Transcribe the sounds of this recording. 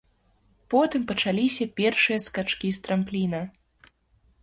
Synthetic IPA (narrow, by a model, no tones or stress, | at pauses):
pɔt̪ɨmpɐt͡ʂalʲisʲɐpʲɛrʂɨjɐskat͡ʂkʲist̪ɾamplʲinɐ